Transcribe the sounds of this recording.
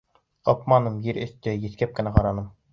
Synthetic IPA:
ɤpmɑnɤmjiɾɘ̆θt̪ɘjɘ̆θkæp̚kɘ̆næqɑɾɑnɤm

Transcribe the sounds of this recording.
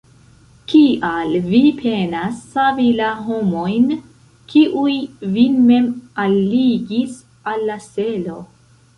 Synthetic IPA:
kiʔalvipʰe̞nasːavilaɦomo̞jn | kʰiʔujvime̞malːiɡis | alːaselo̞

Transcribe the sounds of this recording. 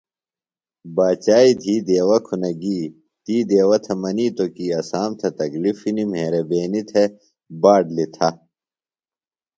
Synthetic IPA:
baːt͡ɕaːid̪ʱiːd̪eːwɐkʰunɐɡiː | t̪iːd̪eːwɐt̪ʰɐmɐniːt̪okiɐsaːmt̪ʰɐt̪ɐklifinimɦeːɾebeːnit̪ʰe | baːɖlit̪ʰɐ

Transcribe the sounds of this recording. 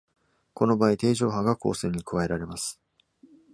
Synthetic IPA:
ko̞no̞baːit̪e̞ːʑo̞ːɦaɡako̞̰ːsẽ̞ːɲ̟ːikɯ̟βae̞ɾaɾe̞masɨ̥

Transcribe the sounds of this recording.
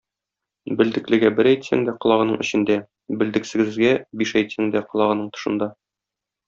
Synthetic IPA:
bɘ̆ld̪ɘ̆klɘ̆ɡæbɘɾæjt̪sæ̰ŋd̪æqŏlˠɑʁɤ̆nɤɴɘ̆ɕɘ̆nd̪æ | bɘ̆ld̪ɘ̆ksɘ̆ɡɘ̆zɡæbiʃæjt̪sæŋd̪æqɤ̆lˠɑʁɤ̆nɤɴt̪ŏ̥ʃɤ̆nd̪ɑ

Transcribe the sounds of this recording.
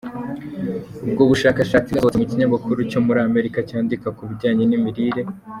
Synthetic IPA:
ub̚ɡoβuʃakaʃaːt͡siɡaoemuciɲamakuɾuco̞muɾaːme̞ɾikacaːndikakuβiɾɟaːɲenimiɾiːɾe̞

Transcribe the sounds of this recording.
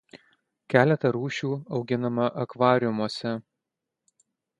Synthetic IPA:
kʲæːlʲɛt̪ɐɾuːʃʲuːɒʊɡʲɪnɐmɐʔɐkʋɑːɾʲɪjʊmoɔsʲɛ

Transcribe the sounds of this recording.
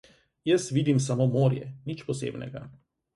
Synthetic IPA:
jəsʋid̪imsamomoːɾjɛ̰nit͡ʃpɔsḛːbnɛ̰ɡa

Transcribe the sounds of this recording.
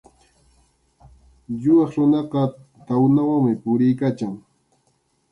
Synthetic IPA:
jʊwɑχɾʊnɑqɑ | t̪awnawaŋmɪpʊɾɪjkat͡ʃaŋ

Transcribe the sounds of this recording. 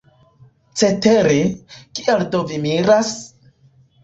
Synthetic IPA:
t͡seteɾekialdovimiɾas

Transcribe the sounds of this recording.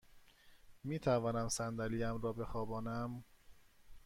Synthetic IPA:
miːt̪ʰævɒːnæmsænd̪æliːæmɾɒːbe̞xɒːbɒːnæm

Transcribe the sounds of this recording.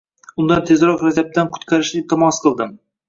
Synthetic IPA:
ʊnd̪ɑnt̪ʰezɾɑqɾæzæp̚t̪ænkʰʊ̥t̪kʰʲæɾɪʃɪt̪ʰɑmɑsqʰəlˠd̪ɨm

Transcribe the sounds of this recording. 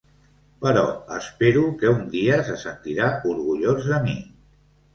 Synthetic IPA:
pəɾɔ̰əspeɾukəund̪iəsəsənt̪iɾauɾɣuʎozəmi

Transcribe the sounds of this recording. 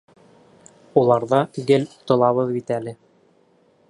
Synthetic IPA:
ulˠɑɾðɑɡɘlt̪ŏlˠɑβɤðbit̪ælɘ

